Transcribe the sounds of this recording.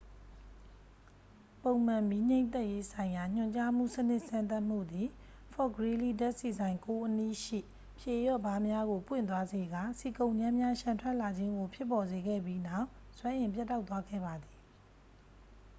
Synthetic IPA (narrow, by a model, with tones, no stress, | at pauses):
põ˨ʊ̃m̥ã˨mi˦ɲẽ˦ɪ̃nt̪ɛ˦ʔje˦sʰã˨ɪ̃ja˨ɲ̥ʊ̰̃˨ɲt͡ɕa˦m̥ṵ˦˨sənɪ˦ʔsã˦nt̪a˦ʔm̥ṵ˦˨d̪i˨ | fʰɔ˦˨ɡəɹi˦li˦da˦ʔsi˨zã˨ɪ̃ŋko˦ʔənḭ˦˨ʃḭ˦˨ | pʰje˨jɔ̰˦˨ba˨˦mja˦ɣo˨pwɪ̰̃˦˨nt̪̬wa˦ze˨ɡa˨si˨kõ˨ʊ̃ɲd͡ʑã˦mja˦ʃã˨ntʰwɛ˦ʔla˨d͡ʑɪ̃˦ŋɡo˨pʰjɪ˦pːɔ˨ze˨ɡɛ̰˦˨bji˦na˦˨ʊʔswɛ̃˦ʔɪ̃˨mp̬ja˦tːa˦ʊt̪wa˦ɡɛ̰˦˨ba˨d̪ði˨